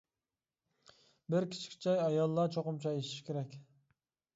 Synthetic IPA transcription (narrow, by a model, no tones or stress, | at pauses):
bɪɾkʲʰi̥t͡ʃʰkʲʰi̥t͡ʃʰɑjɑjɑlˠːɑt͡ʃʰoqʊmt͡ʃʰɑeʃi̥ʃkʲeɾɛkʲ